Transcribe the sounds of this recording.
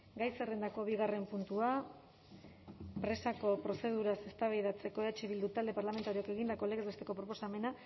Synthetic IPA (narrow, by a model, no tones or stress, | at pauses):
ɡajserend̪ako̞βiɣare̞mpunt̪ua | pɾe̞sako̞pɾo̞se̞ð̞uɾase̞st̪aβajðat͡se̞ko̞eat͡ʃeβild̪ut̪ald̪e̞paɾlame̞nt̪aɾioake̞ɣind̪ako̞leɣezβet̪e̞ko̞pɾo̞po̞same̞na